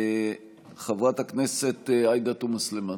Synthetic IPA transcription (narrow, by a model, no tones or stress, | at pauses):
χevʁataknese̞t̪ajd̪at̪umaslema